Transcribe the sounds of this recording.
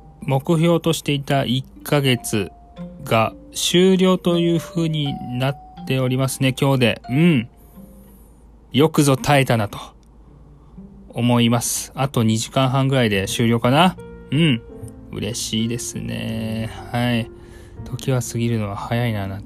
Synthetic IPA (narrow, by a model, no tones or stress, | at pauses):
mo̞kɯ̟çʲo̞ːt̪o̞ɕi̥t̪e̞it̪aʔikʰːaɡe̞t͡sɨ | ɡaɕɨːɾʲo̞ːt̪o̞jɯ̟ːɸɯ̟ːɲ̟inat̪ːe̞o̞ɾʲimasɨne̞kʲo̞ːd̪e̞̰ɯ̟̃ɴ | jo̞kɯ̟zo̞t̪ʰae̞t̪anat̪o̞̥ | mo̞imasɨ̥at̪o̞ɲ̟iʑikãɰ̃ɦãŋɡɯ̟ɾaid̪e̞ɕɨːɾʲo̞ːkanaɯ̟̃ɴɯ̟̰ɾe̞̰ɕiːd̪e̞sɨ̰ne̞̰hai | t̪ʰo̞kʲiβasɨɡʲiɾɯ̟no̞β̞ahajainana